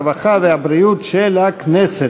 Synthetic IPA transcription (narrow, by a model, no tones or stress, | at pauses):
vaχaveabɾijut̪ʃelhaknese